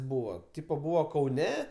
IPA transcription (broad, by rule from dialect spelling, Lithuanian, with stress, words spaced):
ˈbuːʋɐ ˈtʲiːpɐ ˈbuːʋɐ kɐʊˈnʲɛ